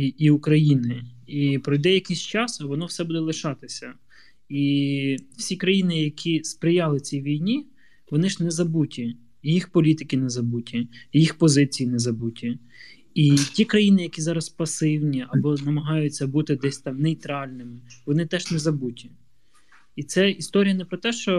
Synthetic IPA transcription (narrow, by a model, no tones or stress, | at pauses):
iukɾɐjinɪipɾɔjd̪ɛjɐkɪsʲt͡ʃɑsɐʋɔnɔwsɛbud̪ɛlˠɪʃɑt̪ɪsʲɐ | i | w̥sʲikɾɐjinɪjɐkʲʰispɾɪjɑlˠɪt͡sʲijʋʲijnʲi | ʋɔnɪʒnɛzɐbutʲi | jixpɔlʲit̪ɪkʲɪnɛzɐbutʲijjixpɔzɪt͡sʲijinɛzɐbutʲi | itʲikɾɐjinɪjɐkʲizɑɾɐspɐsɪwnʲiɐbɔnɐmɐɦɑjʊt͡sʲːɐbut̪ɪd̪ɛsʲt̪ɑmnɛjt̪ɾɑlʲnɪmɪʋɔnɪt̪ɛʒnɛzɐbutʲiː | t̪sɛist̪ɔɾʲijɐnɛpɾɔt̪ɛʃt͡ʃɔ